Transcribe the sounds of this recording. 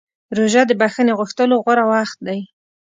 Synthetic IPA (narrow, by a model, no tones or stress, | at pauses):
ɾoʒad̪əbaxəneɣʊxt̪əloɣwaɾawaxt̪̚d̪aj